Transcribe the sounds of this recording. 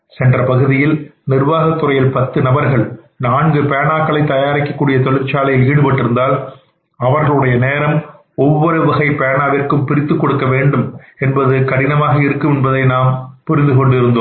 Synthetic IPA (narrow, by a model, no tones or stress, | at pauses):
sɛndrɐpɐɣɯðɪjɪlnɪrʋaːɣɐt̪ːɯɾɐjɪlpɐt̪ːɯnɐbɐɾɣɐɭ | naːŋɡɯpeːɐnaːkːɐɭɐɪt̪ːɐjaːɾɪkːɐkːuːɽɪjɐt̪ɔɭɪɾt͡ʃːaːlɐjɪliːɽɯpɐʈːɪɾɯnd̪aːl | ɐʋɐɾɣɐɭɯɽɐjɐneːɾɐm | ɔʋːɔɾɯʋɪɣɐɪpeːɳaːʋɪrkɯmpɪɾɪt̪ːɯkːɔɽɯkːɐʋeːɳɖɯmɛnbɐðɯkɐɽɪnɐmaːɣɐɪɾɯkːɯmɛnbɐðɐɪnaːmpʊɾɪnd̪ɯkɔɳɖɪɾɯnd̪oːm